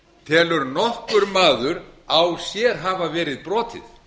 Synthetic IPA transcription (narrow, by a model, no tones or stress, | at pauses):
t̪ʰɛːlʏɾnɔhkʏɾmaːðʏɾawsjɛːɾ̥ɦaːvavɛːɾɪðpɾɔːt̪ʰɪ̰θ